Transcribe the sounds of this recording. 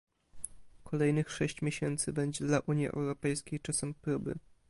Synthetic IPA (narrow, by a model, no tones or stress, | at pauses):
kʰɔlɛjnɘxʂɛɕt͡ɕmʲjeɕɛnt̪sɘbɛɲd͡ʑɛd̪laʔuɲjiʔɛ̰wɾɔpɛjskʲejt͡ʂasɛmpɾubɘ̰